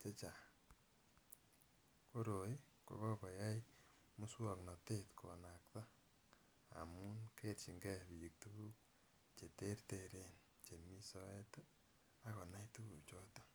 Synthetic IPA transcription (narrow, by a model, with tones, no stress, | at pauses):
t͡ʃe˦t͡ʃa˨ | ko˦ɾo˨i˦ | ko̰˨kɔ˦kɔ˨ja˦j | mu˦swɔ˨knɔ˨te˦tkʰo̰˨na˨kta˦ | a̰˨mu˦nke˦tt͡ʃi˨ŋɡɛ˦bi˨ji˨k̚tu˦bu˦ | t͡ʃe˨te˦rte˨ɾe˦n | t͡ʃe˨mi˦sɔ˦ɛ˦t | a˦kɔ˨na˦jtu˦bu˨t͡ʃɔ˦tɔ˦